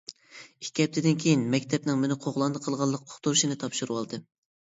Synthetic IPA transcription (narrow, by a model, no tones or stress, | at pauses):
ikʲɛp̚t̪ʰɪd̪ɪnkʲʰejinmɛkʲt̪ʰɛpnɪŋmɪnɪqʰoʁlˠɑnd̪ɨqʰəlˠʁɑlˠːəq̚ʰo̥χt̪uɾʃinɨt̪ʰɑpʃuɾuwɑlˠd̪ɨ